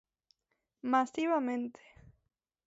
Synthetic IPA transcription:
masiβamẽnt̪ʰe̥

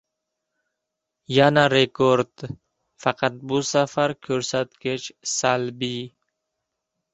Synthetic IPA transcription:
janaɾekoɾd̪ | faqat̪̚busafaɾkʰøɾsat̪ket͡ʃsalbi

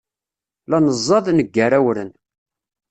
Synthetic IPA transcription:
lɑnəzˤːɑðˤnəɡːaɾæwɾən

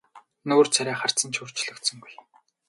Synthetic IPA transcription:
nɵːr̥t͡sʰæɾʲæːχar̥t͡sə̆nt͡ɕʰur̥t͡ɕɮɵ̆kt̪sɵ̆ŋɡuj

